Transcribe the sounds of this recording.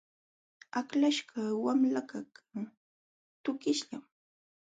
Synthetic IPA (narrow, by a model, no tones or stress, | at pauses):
aklaʃɢawamlakaka | t̪ʊkɪʃʎam